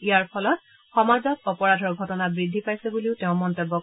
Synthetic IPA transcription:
ijaɹpʰɔlɔt̚ | xɔmazɔkɔpɔɹadʱɔɹɡʱɔtɔnabɹidʱːipajsɛbuliʊteʊ̃mɔntebːɔk

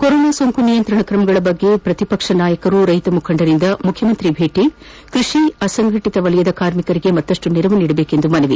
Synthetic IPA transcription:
koɾoːnaːsoŋkunijɐnt̪ɾɐɳɐkɾɐmɐɡɐɭɐbɐɡːe̞pɾɐt̪ipɐkʂɐnaːjɐkɐɾuɾɐjt̪ɐmukʰɐɳɖɐɾind̪ɐmukʰjɐmɐnt̪ɾibʱeːʈi | kɾiʂiɐsɐŋɡʱɐʈit̪ɐʋɐlɛjɐd̪ɐkaːɾmikɐɾiɡe̞mɐt̪ːɐʂʈuniɾɐʋuniːɽɐbeːke̞nd̪umɐnɐʋi

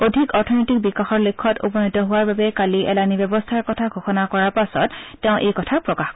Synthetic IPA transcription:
odʱikɔɹtʰɔnɔtik̚bikaxɔɹlekʰːɔtṵpɔnitɔɦʊwaɹbabɛkaliʔɛlanibɛbɔstʰaɹkɔtʰaɡʱoxɔnakɔɹaɹpasɔ̰tːɛʊ̃ʔejkɔtʰapɹɔkaxk

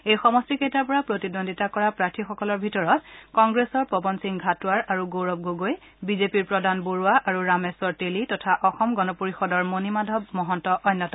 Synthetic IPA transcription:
ejxɔmɔstiketapɔɹapɹotidondʱitakɔɹapɹaɹtʰixɔkɔlɔɹbʱitɔɹɔt̚kɔŋɡɹesɔɹpɔbɔnsiŋɡʱatʊaɹaɹuɡowɹɔb̚ɡoɡoj | bizepiɹpɹɔdʱanboɹuaʔaɹuɹamesɔɹtelitɔtʰaʔɔxɔmɡɔnɔpoɹixɔdɔɹmonimadʱɔb̚mɔɦɔntɔʔɔjnːɔtɔ

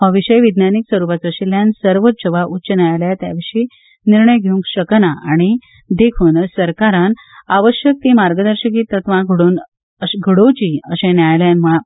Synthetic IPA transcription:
ɦəʋiɕəjʋid̪njaniksʋəɾupat͡səɕiljansəɾʋət̪ɕəʋaʔutːɕənajljat̪ja̰ʋiʂiː | niɾɳəjɡʱeũŋkɕəknaʔaɽ̃i | d̪ekʰuːnəsəɾkaɾãn | aʋəɕjək̚t̪imaɾɡəd̪əɾɕəkiːt̪ət̪ʋãɡʱəɽoːn | əɡʱəɽot͡ɕiəɕẽnjajljanm̤uɭa

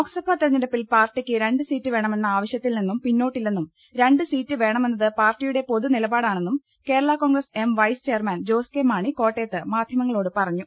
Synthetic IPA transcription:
oːksɐbʱat̪ːiɾɐɲːiɾɐpːilpaːrʈːikʲːɨɾe̞ɳɖɨsiːtːɨʋe̞ːɳɐme̞nːɐaːʋɐɕjɐt̪ːilninːumpinːoːʈːilninːum | ɾe̞ɳɖɨsiːtːɨʋe̞ːɳɐme̞nːɐðɨpaːrʈːijuɽe̞po̞ðunilɐbaːɽaːɳe̞nːum | ke̞ːɾɐɭako̞ːŋɡrɐse̞mʋɐjst͡ɕeːɐrmɐnd͡ʑo̞ːskemaːɳiko̞ːʈːe̞ːt̪ːɨmaːd̪ʱjɐmɐŋːɐɭo̞ːɽɨpɐrɐɲːu

